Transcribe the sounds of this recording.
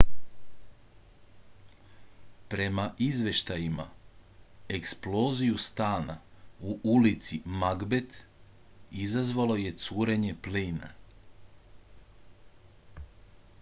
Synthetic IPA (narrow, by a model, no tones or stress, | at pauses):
pɾe̞maʔizʋe̞ʃt̪ajima̰ | eksplo̞ːzijust̪aːna̰uʔulit̪simaɡbe̞t̪ | izazʋalo̞je̞t̪suːɾe̞ɲe̞pliːna̰